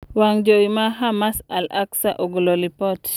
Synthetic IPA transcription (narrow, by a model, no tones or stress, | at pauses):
waŋd͡ʒoimaɦamasalaksaʔoɡololipɔt